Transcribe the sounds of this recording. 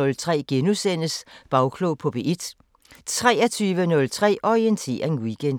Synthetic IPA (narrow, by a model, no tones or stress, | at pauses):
ɔ̽lt͡sʰʁɛ̰ːɡ̥enusen̰əsb̥ɑ̈ʊkʰlopʰɒ̽b̥e̝ʔed̥ | t͡sʰʁɛːɐt͡sʰyːʋənɔ̽lt͡sʰʁɛ̰ːʔɒʁient͡sʰe̝̰ːɐenwiɡ̥ʰend̥